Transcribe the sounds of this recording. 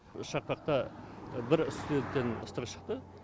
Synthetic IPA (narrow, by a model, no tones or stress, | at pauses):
ʃɑq̚pɑq̚t̪ɑ | bɪɾslet̪ːenə̰st̪əqʃə̥qt̪ə